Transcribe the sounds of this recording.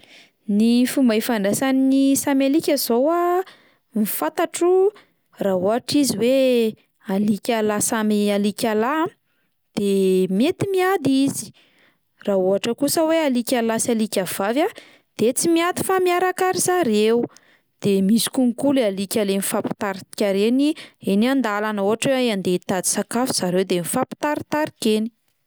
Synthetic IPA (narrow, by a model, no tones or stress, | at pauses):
nifumajfaɳɖ͡ʐasaninisamalikʲazowa | mifat̪aʈ͡ʂu | raɦuɦaʈ͡ʂiziwe | alikʲalasamialikʲala | d̪̥emiet̪imiad̪izi̥ | rauɦaʈ͡ʂəkusəwealikʲalasalikʲav̥ava | d̪̥et͡simiad̪i̥famiaɾakaɾizaɾeu | d̪̥emisi̥kuŋikulalikʲalenifapi̥t̪aɾit̪i̥kʲaɾenienand̪alanəuɦaʈ͡ʂweaiand̪et̪ad̪i̥sakafuz̥aɾewd̪emifapi̥t̪aɾit̪aɾikeni̥